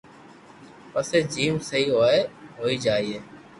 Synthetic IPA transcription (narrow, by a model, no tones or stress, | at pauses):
pəseːd͡ʒiːmsəɦiːɦoːeɦoːiːd͡ʒaːiːeː